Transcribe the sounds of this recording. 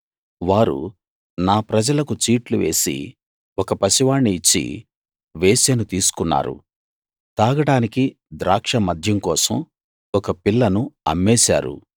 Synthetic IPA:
ʋaːɾṵ | naːpɾɐd͡ʒɐlɐkut͡ʃiːʈluʋe̞̰ːsḭ | ɔkɐpɐsiʋaːɳːiːt͡ʃːḭ | ʋeːsɐnut̪iːsu̥kunːa̰ːɾṵ | t̪aːɡɐʈaːniki | d̪ɾaːkʂɐmɐd̪ʱjɐmkɔːsɐ̰m | ɔkɐpilːɐnuɐ̰mːeːsa̰ːɾṵ

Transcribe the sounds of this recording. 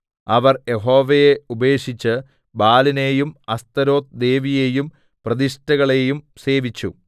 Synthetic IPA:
ɐʋɐrje̞ɦo̞ːʋejeube̞ːʂit͡ɕːɨ | baːline̞ːjumɐst̪ɐɾo̞ːt̪d̪e̞ːʋijejum | prɐðiʂtɐɣɐɭe̞jum | se̞ːʋit͡ɕːṵ

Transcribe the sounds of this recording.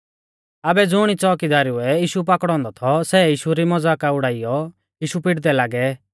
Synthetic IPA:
aːbɛd͡zʊɽ̃it͡sɔːkid̪aːɾiuɛjiːʃup̬akɽ̃ɔ̃nd̪ɔt̪ʰɔsɛːjiːʃuɾimɔd͡zaːkaʊɽaːɪjɔ | jiːʃupɪʈd̪ɛlaːɡɛ

